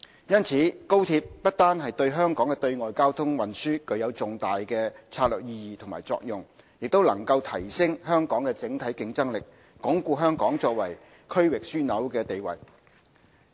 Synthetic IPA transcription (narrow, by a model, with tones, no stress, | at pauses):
jɐ˥nt͡sʰiː˨˥ko˥wt̪ʰiː˧p̚ːɐ˥t̚t̪aː˥nɦɐ˨jt̪ɵ˧ɥɦœː˥ŋkɔː˨˥ŋkɛ˧t̪ɵ˧ɥŋɔː˨jkaː˥wt̪ʰʊ˥ŋwɐ˨nsyː˥kɵ˨˧ɥjɐ˨˧wt͡sʊ˨ŋt̪aː˨jkɛː˧t͡sʰaː˧t̚lœː˨k̚jiː˧jiː˨t̪ʰʊ˨˩ŋma̰ː˨˩jt͡sɔ̰ː˧k̚jʊ˨ŋ | jɪ˨k̚t̪o˥wlɐ̰˨˩ŋkɐ˧wt̪ʰɐ˨˩jsɪ˥ŋɦœː˥ŋkɔː˨˥ŋkɛː˧t͡sɪ˨˥ŋt̪ʰɐ˨˥jkɪ˧ŋt͡sɐ˥ŋlɪ˨k̚ | kɔː˨˥ŋkuː˧ɦœː˥ŋkɔː˨˥ŋt͡sɔː˧k̚wɐ˨˩j | kʰɵ˥ɥwɪ˨k̚syː˥nɐ˨˥wkɛː˧t̪e˨jwɐ̰˨˩j